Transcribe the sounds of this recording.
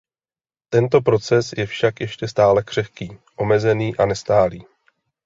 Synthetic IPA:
t̪ɛnt̪o̞pɾo̞t͡sɛsjɛfʃakjɛʃcɛst̪aːlɛkr̥ɛfkiːʔo̞mɛzɛniːʔanɛst̪aːliː

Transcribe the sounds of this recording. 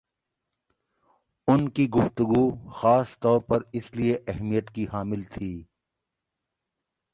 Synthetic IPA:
ʊnkiɡʊft̪ʊɡuxaːst̪ɔːɾpɐɾɪslieʔɛɦmijət̪kihaːmɪlt̪ʰiː

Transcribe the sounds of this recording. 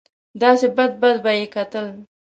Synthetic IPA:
d̪ɑsebad̪̚bad̪bajekat̪əl

